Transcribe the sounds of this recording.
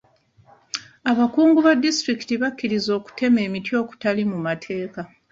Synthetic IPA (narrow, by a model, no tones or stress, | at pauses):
aβakuːŋɡuβadːistɾiki̥tiβakʲːiɾizo̞ːku̥te̞me̞ːmitjo̞ːku̥talimumatʰe̞ːka